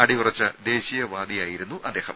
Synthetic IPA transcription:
ɐɽipurɐt͡ɕːɐd̪e̞ːɕijɐʋaːd̪ijaːjiɾunːuʔɐd̪ːe̞ːhɐm

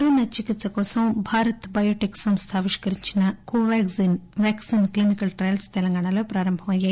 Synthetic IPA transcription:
ɾuːnɐt͡ʃikit̪sɐkɔːsɐmbʱaːɾɐt̪bɐjoːʈiksɐmst̪ʰaːʋiʂkɐɾiɲt͡ʃinɐkoːʋaːksinʋjaːksinklinikɐlʈɾɐjlst̪ɛlɐŋɡaːɳɐlo̞ːpɾaːɾɐmbʱɐmɐjaː

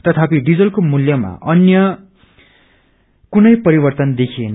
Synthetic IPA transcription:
t̪ʌt̪ʰapiɖid͡zʌlkomuljʌma̰ʔʌnjʌ | kunʌjpʌɾibʌrt̪ʌnd̪ekʰien

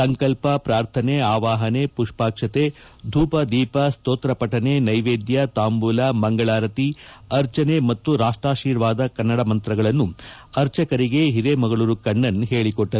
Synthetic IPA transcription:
sɐŋkɐlpɐpɾaːɾt̪ʰɐneaːʋaːɦɐnepuʂpaːkʂɐt̪e | d̪ʱuːpɐd̪iːpɐst̪oːt̪ɾɐpɐʈɐnenɐjʋeːd̪jɐt̪aːmbuːlaːmɐŋɡɐɭaːɾɐt̪i | ɐɾt͡ʃɐnemɐt̪ːuɾaːʂʈɾaːʃiːɾʋaːd̪ɐkɐnːɐɽɐmɐnt̪ɾɐɡɐɭɐnːu | ɐɾt͡ʃɐkɐɾiɡe̞ɦiɾemɐɡɐɭuɾukɐɳːɐnːɦeːɭikɔʈːɐɾu

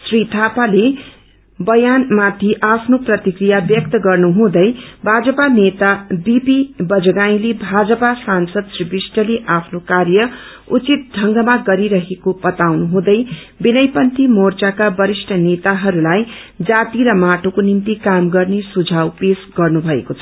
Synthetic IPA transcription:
srit̪ʰapale | bʌjanmat̪ʰiʔapʰnoprʌt̪ikrijabjʌk̚t̪ʌɡʌrnuɦũd̪ʌjbʱad͡zʌpanet̪abipibʌd͡zʌɡaĩlebʱad͡zʌpasansʌd̪sribisʈʌleʔapʰnokarjʌ | ut͡sit̪̚ɖʱʌŋɡʌmaɡʌɾiɾʌɦekobʌt̪awnuɦũd̪ʌj | binʌjpʌnt̪imort͡sakabʌɾisʈʰʌnet̪aɦʌɾulajd͡zat̪iɾʌmaʈokonimt̪ikamɡʌrnesud͡zʱawpesɡʌrnubʱʌekot͡sʰʌ

